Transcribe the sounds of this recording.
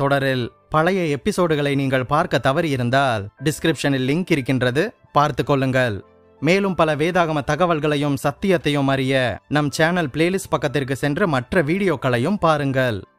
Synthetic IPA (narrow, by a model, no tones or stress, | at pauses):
t̪ɔɽɐɾɪl | pɐlɐjɐɛpːɪsoːɽɯɣɐɭɐɪniːŋɡɐɭpaːɾkɐt̪ːɐʋɐɾjɪɾɯnd̪aːlɖɪskɾɪpʂɐnɪlːɪŋkɪɾɯkːɪndrɐðɯ | paːɾt̪ɯkːɔɭːɯŋɡɐɭ | meːlɯmpɐlɐʋeːðaːɣɐmɐt̪ɐɣɐʋɐɭɣɐɭɐjɯmsɐt̪ːɪjɐt̪ːɐjɯmɐɾɪjɐnɐmt͡ʃaːnɐlpɪɭeːlɪsʈ̚pɐkːɐt̪ːɪrk̬ɯsɛndrɯmɐʈrɐʋiːɽɪjoːkːɐɭɐjɯmpaːɾɯŋɡɐɭ